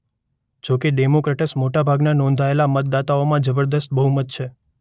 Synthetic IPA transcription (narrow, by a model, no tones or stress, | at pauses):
d͡ʒokeɖemokɾeʈəsmoʈabʱaɡnanɔ̃nd̪ʱaelamət̪̚d̪at̪aomãd͡ʒəbəɾd̪əst̪̚bəɦumət̪̚t͡ʃʰe